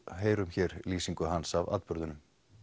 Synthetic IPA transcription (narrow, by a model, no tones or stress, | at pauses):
ɦeːjɾʏmçɛːɾliːsiŋkʏɦansava̰t̪pœɾðʏnʏm